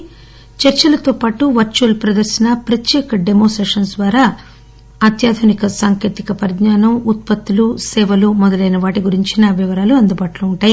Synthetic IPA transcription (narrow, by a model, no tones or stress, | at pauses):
t͡ʃɐɾt͡ʃɐlɐt̪oːpaːʈuʋɐɾt͡ʃuːlpɾɐd̪ɐɾsɐnɐpɾɐt̪jɛːkɐɖemoːsʈɾeːʂɐnsd̪ʋaːɾaː | ɐt̪jaːd̪ʱunikɐsaːŋkeːt̪ikɐpɐɾdɲaːnɐmut̪̚pɐt̪ːulusɛːʋɐlumɔd̪ɐlɐjnɐʋaːʈiɡuɾiɲt͡ʃinɐʋiʋɐɾaːluɐnd̪ubaːʈloːuɳʈaːji